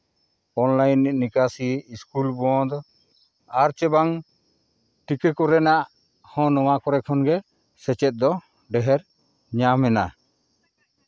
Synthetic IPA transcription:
ɔnlajnːɛʔːikasiːskulbɔd̪ɔ | aɾt͡ʃɛbaŋ | ʈikɛkɔɾɛnaʔ | hɔ̃nɔwakɔɾɛkʰɔnɡɛ | sɛt͡ʃɛt̪̚d̪ɔ | ɖɛɦɛɾ | ɲamɛna

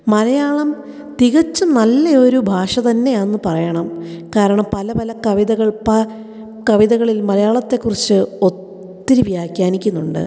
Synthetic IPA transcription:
mɐlɐjaːɭɐm | t̪iɣɐt͡ɕːɨnɐlːɐo̞ɾubʱaːʂɐt̪ɐnːe̞jaːenːɨpɐrɐjɐɳɐmkaːɾɐɳɐmpɐlɐpɐlɐkɐʋiðɐɣɐɭpɐ | kɐʋiðɐɣɐɭilmɐlɐjaːɭɐt̪ːe̞kːurit͡ɕːɨo̞t̪ː | iɾiʋjaːkʲːaːnikʲːunːuɳɖɨ̰

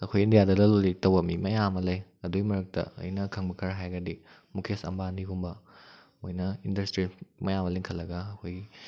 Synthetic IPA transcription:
ɐkʰojindijadɐdɐlolitɐwbɐmimɐjamɐlɐjɐduimɐɾɐk̚tɐ̰ːjnɐkʰɐŋbɐkʰɐɾɦajɡɐdi | mukʰesɐ̰mbaniɡumbɐ | ojnɐindɐstɾimɐjamɐleŋkʰɐlːɐɡɐːkʰoji

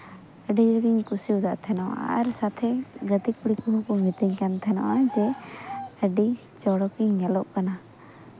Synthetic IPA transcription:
əɖiɾəɡiɲkusiud̪aʔt̪ʰɛnɔʔa̰ɾsat̪ʰɛɡət̪ikuɽikuɦɔkɔmit̪iɲkant̪ʰɛnɔ̰ʔad͡ʒɛ | əɖi | t͡ʃɔɽɔkiɲɲɛlɔʔkana

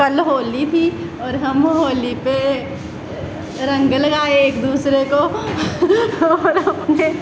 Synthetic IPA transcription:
ɐlɦoːlit̪ʰi | ɔːɾɦɐmɦoːlipe | ɾɐ̃ŋɡəlɐɡaːeeːkd̪uːsɾeko | ɔːɾɦɐmne

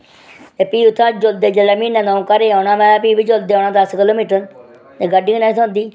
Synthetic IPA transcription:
t̪eːpiːʊt̪ʰːãːd͡ʒold̪eːd͡ʒəlaːmiːnɛ̃ːnəũːkəɾeːaːnãːmɛ̃ːpiːbiːd͡ʒol̚d̪eːoːnãːd̪əskɪloːmiːʈəɾ | t̪eːɡəɖiːnaːsʰõːnd̪iː

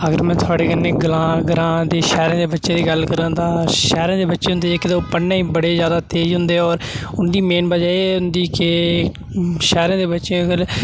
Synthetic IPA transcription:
əɡəɾmɛ̃ːt̪ʰʊaːɽeːkənːeːɡəlãːɡəlãːd̪eːʃɛːɾãːd̪eːbətːʃẽːd̪iːɡəlkəɾə̃nːt̪ãːʃɛːɾãːd̪eːbətːʃẽːʊ̃nd̪eːd͡ʒeːkɪeoːpənːaːiːbəɽeːzjaːd̪aːt̪eːd͡ʒɦʊ̃nd̪eːɔːɾ | ʊnd̪iːmeːnbəd͡ʒaːeʊnd̪iːkɪ | ʃɛːɾãːd̪eːbətːʃẽːɡəɾ

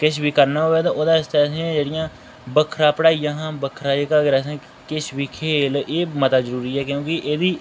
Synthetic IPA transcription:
kɪʃʋiːkəɾnaːɦoʋɛːt̪ãːʔoːd̪aːɪst̪aːsẽd͡ʒeːɽɪjãː | bəkʰɾaːpəɽaːijãːɦãːbəkʰɾaːekaːɡɾɛːsẽː | kɪʃʋiːkʰeːleːmət̪aːzəɾuːɾiːɛːkjõːkɪʔeːd̪iː

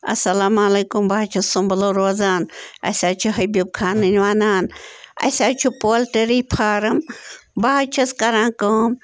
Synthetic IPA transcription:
ɐ̰sɐlaːmaːleːkʊmbaːt͡ʃʰɐsʊmbɐloːɾoːzaːnɐ̰sʲaːt͡ʃʰuɦɐbib̚kʰaːnɐnʋaːnaːnɐ̰sʲaːt͡ʃʰupoːlʈeɾiːpʰaːɾɐmbaːt͡ʃʰɐskɐɾãːkoːm

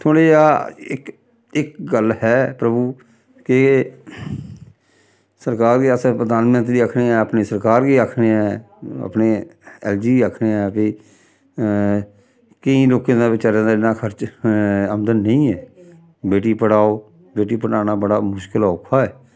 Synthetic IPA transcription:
t̪ʰoːɽeːjaːɪk | ɪkɡəlhɛːpɾəbuː | ke | səɾkaːɾɡiːəspɾəd̪aːnmə̃nt̪ɾiːəkʰneːɛːəpneːsəɾkaːɾɡiːakʰneːɛː | ə̰pneːɛ̰ːld͡ʒiːəːkʰneːɛːpiː | kɪĩːloːkẽːd̪aːbɪt͡ʃaɾẽːd̪aːɪnãːkʰəɾt͡ʃ | əmd̪ənːəĩːɛː | beːʈ̬iːpəɽaːoː | beːʈiːpəɽaːnaːbəɽaːmʊʃkəlaʊkʰːaːɛː

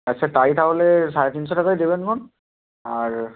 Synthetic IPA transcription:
asʰɛtaɹitʰabɔlɛsaɹɛtinsɔtʰakajdibɛnkʰɔn | aɹ

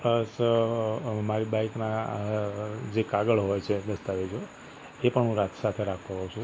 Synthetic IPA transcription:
pləs | maɾibaikna | d͡ʒekaɡəɭɦojt͡ʃʰed̪əst̪aʋed͡ʒo | epəɳɦũɾat̪sat̪ʰeɾakʰt̪õɦɔt͡ʃʰũ

